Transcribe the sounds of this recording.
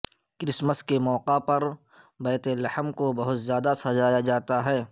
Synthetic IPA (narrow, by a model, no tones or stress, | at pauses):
kɾɪsməskemɔːqapɐɾ | bɛːt̪elɐhəmkobɐɦʊt̪zjaːd̪asɐd͡ʒaːjad͡ʒaːt̪aɦɛː